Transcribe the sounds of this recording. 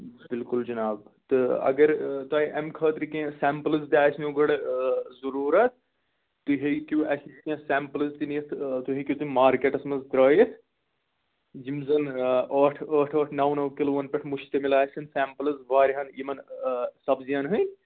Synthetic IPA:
bilkuld͡ʒɐnaːbt̪ɨɐ̰ɡɐɾt̪ɐːiʔɐmkʰəːt̪ɾikẽsɛːmplɨzd̪ʲaːjsʰnoɡɐɽzɐɾuːɾɐt̪̚ʰ | t̪uɦekuwʔɐsikʲẽːsɛːmplɨzt̪injɐt̪ʰt̪uɦikʲjut̪inʲmaːɾkeʈɐsmɐzd̪ɾɐːjit̪ʰ | d͡ʒimzɐnəːʈʰəːʈʰəːʈʰnɐwnɐwkiloːʋɐnpʲɐʈʰmuʃt̪ɐmilaːjsʲɐnsɛːmplɨzʋaːɾiɦɐnimɐnsɐbzijaːnɦɨnʲ

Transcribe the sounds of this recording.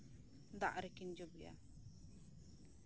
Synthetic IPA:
d̪a̰ʔɾɛkind͡ʒobija̰

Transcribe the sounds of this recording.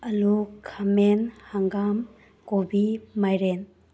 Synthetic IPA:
ɐlukʰamenhaŋɡam | kobimajɾen

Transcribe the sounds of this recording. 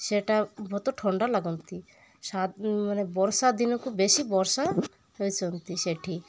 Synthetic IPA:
seʈabʱɔt̪ɔʈʰɔɳɖalaɡɔnt̪i | samanebɔɾsad̪inɔkubesibɔɾsa | ɦojt͡ʃʰɔnt̪iʃeʈʰi

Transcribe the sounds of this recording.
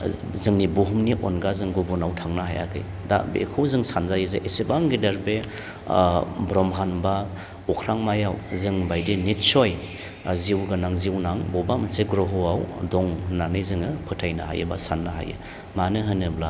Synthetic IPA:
zɯŋnibuɦumniʔɔnɡazɯŋɡubunawtʰaŋnaɦa̰ja̰kʰɯ̰j | da̰bḛkʰawzɯŋsanzajɯzɯʔesibaŋɡidɐɾbe | bɾɔmɦanba | ɔkʰɾaŋmajawzɯŋbajdinit̚sɔj | ziwɡanaŋziwnaŋbɔbamanseɡɾoɦɔawdɔŋnanɯjzɯŋɯpʰɯtʰajnaɦa̰jɯ̰basanːaɦa̰jɯ̰ | manɯɦɯnɯbla

